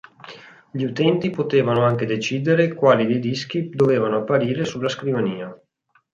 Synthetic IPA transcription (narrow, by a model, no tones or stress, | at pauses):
ʎiut̪ɛnt̪ipot̪eːvanoaŋk̟ed̪et͡ʃiːd̪eɾekwaːlid̪ejd̪isk̟id̪oveːvanoapːaɾiːɾesulːaskɾivaniːa